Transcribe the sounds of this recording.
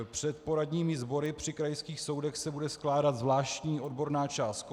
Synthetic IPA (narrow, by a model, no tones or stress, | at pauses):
pr̝̥ɛt̪po̞ɾadɲiːmɪzbo̞ɾɪpr̝̥ɪkɾajskiːxso̞wdɛxsɛbudɛsklaːdat̪zvlaːʃcɲiːʔo̞dbo̞ɾnaːt͡ʃaːst̪̚k